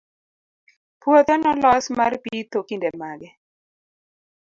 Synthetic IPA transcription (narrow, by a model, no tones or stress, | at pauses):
pwot̪ɛnɔlɔsmarpit̪okindɛmaɡɛ